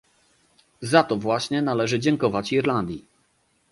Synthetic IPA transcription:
zat̪ɔvwaɕɲɛnalɛʐɘd͡ʑɛŋkɔvat͡ɕiɾland̪ʲji

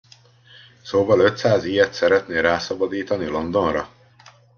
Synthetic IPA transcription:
soːvɒlø̞t̪saːzijɛt̪sɛɾɛt̪neːɾaːsɒbɒd̪iːt̪ɒnilo̞nd̪o̞nrɒ

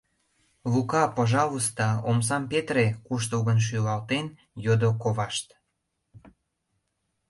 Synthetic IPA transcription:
lukɑpəʒɑβust̪ɑoms̬ɑmpet̪ɾekuʃ̬t̪uɣənʃ̬ylɑlt̪en | jod̪okoβɑʃt̪

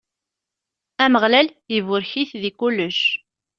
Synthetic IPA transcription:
æməʁlæljəvʊɾçiθðikulːəʃ

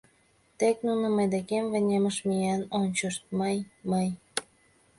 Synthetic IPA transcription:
t̪eknunəməjd̪ekemvə̆nʲeməʃmijenonʲt͡ɕəʃt̪̚məjməj

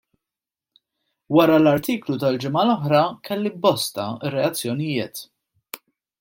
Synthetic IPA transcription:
wɐɾɐlɐɾt̪iːklut̪ɐld͡ʒɪmɐlɔħɾɐkɛlːibɔst̪ɐrːɛɐt͡sːjɔnɪjɪːt̪

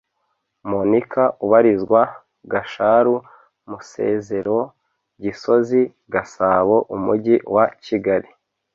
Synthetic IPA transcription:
monikʰaʔuβaɾizɡwa | ɡaʃaɾu | muse̞̰ːze̞ɾo̞ | ɟiso̞zi | ɡasaːβo̞ʔumuɟiwaciɡaɾi

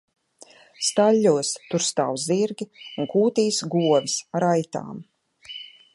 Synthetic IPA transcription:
st̪alʲːuɔst̪uɾst̪aːwziɾɡʲiuŋkuːt̪iːsɡuɔvisaɾajt̪a̰ːm

